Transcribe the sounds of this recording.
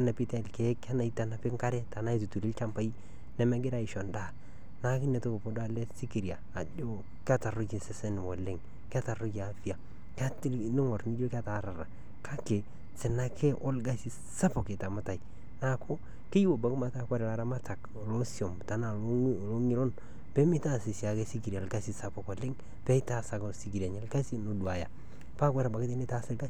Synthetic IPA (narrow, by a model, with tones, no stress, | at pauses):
a˦na˨pi˦ta˦˨lke˦ka˦na˨i˦ta˨na˦pɪ˦ŋka˦ɾɛ˦ta˨na˦i˦˨tu˨tu˨ɾi˦lt͡ʃa˦mpa˦i˦ | ne˨˦me˦ɡɪ˦ɾa˦˨i˨ʃo˨nda˦˨ | na˦kɪ˦ne˨to˦ko˨po˦da˦le˦si˦ki˨ɾi˨a˨a˨d͡ʒo˦ | ka˦ta˨rʊ˦d͡ʒe˨se˦se˦n˨mo˨lɪ˦ŋ | ka˦ta˨ɾʊ˦jːfi˦˨a˨ | ka˦tnɪ˦ŋo˨ɾni˦d͡ʒo˦ka˦ta˨˦ɾa˨ɾa˨ | kʰa˦ke˨ | sɪ˨na˦kʰe˦ʔo˦lɡa˦si˦ | sa˦po˨ke˨ta˨ma˦ta˨i˨ | na˨kʰo˦ | ki˦jwo˨ba˨kma˦ta˦kwa˦ɾɛ˨la˦ɾa˦ma˦ta˨k | lo˦si˨o˨mta˨na˨˦lo˦ŋi˦lo˦n | pe˦mi˦ta˦si˨si˨a˨ke˦si˦ki˨ɾa˨lɡa˦si˦sa˦po˨ko˨lɪ˦ŋ | pe˦i˦ta˦sa˨ksi˨˦ki˨ɾa˨ɲe˦lɡa˦si˦no˨du˨a˨ja̰˨ | pa˦kwe˦ɾa˨ba˨kɪ˦i˦ni˦ta˦sɪ˦lɡa˦